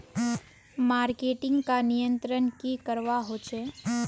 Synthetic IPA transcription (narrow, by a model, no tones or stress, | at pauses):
maːɾkeːʈɪ̃ŋɡkanijə̃nt̪ɾənkikəɾʋaɦoːt͡ʃʰe